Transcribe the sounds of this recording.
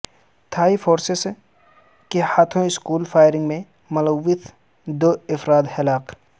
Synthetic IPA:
t̪ʰaːifoːɾses | kehaːt̪ʰõɪskuːlfaːɪɾɪ̃ŋɡmẽ | mʊləʋːɪt̪ | d̪oːɪfɾaːd̪hɪlaːq

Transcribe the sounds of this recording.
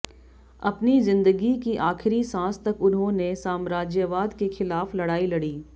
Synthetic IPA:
ɐpnizɪ̃nd̪əɡikiʔaːxɪɾisãːst̪ɐkʊnɦõnesaːmɾaːd͡ʒjəʋaːd̪kexɪlaːflɐɽaːilɐɽiː

